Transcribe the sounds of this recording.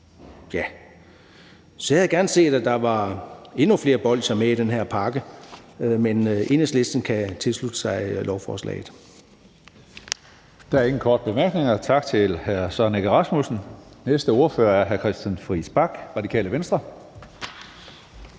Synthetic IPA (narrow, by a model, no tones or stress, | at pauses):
jæ | sɒ̽jæðˠɡ̥æɐnse̝̰ːd̥æd̥ɑ̈ʋɑ̈e̝nufle̝ːɐb̥ɒ̽l̰ɕɐmeid̥enɦeɐ̰pʰɑ̈ɡ̥ə | menʔe̝nəsle̝sd̥n̩kʰæt͡sʰe̝lslud̥əsɑ̈ɪlʔɒʊfɒːslɛ̰ɪð̩ˠ | d̥ææɐe̝ŋn̩kʰɒːd̥əb̥e̝mæɐɡ̥ne̝ŋɐt͡sʰɑ̈ɡ̥t͡sʰe̝lhæɐsɑneɡ̥əʁɑ̈smusn̩nesd̥əo̝ɐfø̰ːɐæɐɦæɐkʰʁɛsd̥jænfʁisb̥ɑ̈ɡ̥ʁɑ̈dikʰɛ̰ːləʋensd̥ʁɐ